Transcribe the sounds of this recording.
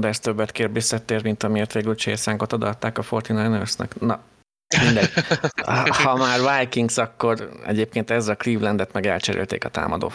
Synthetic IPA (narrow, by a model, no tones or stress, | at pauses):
d̪ɛst̪øbːɛt̪keːrbisːɒt̪eːrmint̪ɒmieːrt̪ʋeːɡylt͡ʃeːsaːŋɡo̞t̪od̪ɒt̪ːaːkɒfo̞rt̪inajnørsnɛ̰knɒ | mind̪ɛɟ | hɒmaːrvajkiŋɡsɒkːo̞rɛ̰ɟeːp̚keːnt̪ɛzːɒkliːvlɛnd̪ɛt̪mɛɡɛlt͡ʃɛɾḛlt̪eːkɒt̪a̰ːmɒ̰d̪o̰ː